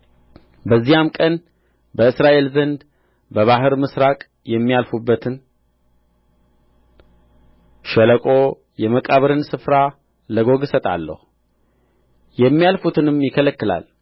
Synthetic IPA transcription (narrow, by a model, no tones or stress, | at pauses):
bəzːijamkʼən | bəɨsɾaʔe̞lzənd̪ | bəβaɦɨɾmɨsɾakʼ | jɛmːijalfubːət̪ʰɨn | ʃɛləkʼo | jɛməkʼaβəɾɨnsɨfɾa | ləɡo̞ɡsət̪ʼa̰lːə̰hu | jɛmːijalfut̪ʰɨnɨmjɪkʰələkːɨla̰l